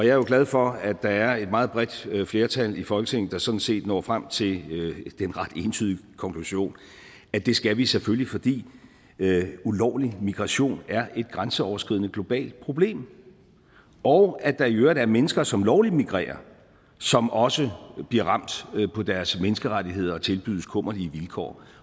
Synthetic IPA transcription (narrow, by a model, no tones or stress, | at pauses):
ɒ̽jɑ̈ɐjo̝ɡ̥læð̞ˠfɒ̽æd̥ɑ̈æɐe̝d̥̚mɑ̈ːð̩ˠb̥ʁɛd̥fle̝ːɐt͡sʰælifɒ̽lɡ̥ət͡sʰeŋ̰n̩d̥ɑ̈sɒ̽d̥n̩se̝̰ːd̥nɒ̰ːfʁam̰t͡sʰe̝ld̥enʁɑ̈d̥e̝nt͡sʰyðˠikʰɒ̽ŋkʰluɕo̝̰ːn | æd̥e̝sɡ̥æʋiseføllifɒ̽d̥ḭː | ulɒʊlimiɡ̥ʁɑ̈ɕo̝̰ːnæɐʔe̝d̥̚ɡ̥ʁansəɒʊɐsɡ̥ið̰ˠnəɡ̥lo̝b̥ɛ̰ːld̥̚pʰʁo̝b̥le̝̰ːm | ɒʊæd̥ɑ̈iøːɐd̥æɐmenəsɡ̥ɐsɒ̽mlɒʊlid̥miɡ̥ʁḛːɐ | sɒ̽mɒ̽səb̥liɐʁɑ̈m̰d̥pʰɒ̽d̥æɐsmenəsɡ̥əʁadiɦe̝ð̞̰ˠɐɒ̽t͡sʰe̝lb̥y̰ð̰ˠskʰɔ̽m̰ɐliəʋilkʰɒ̰ː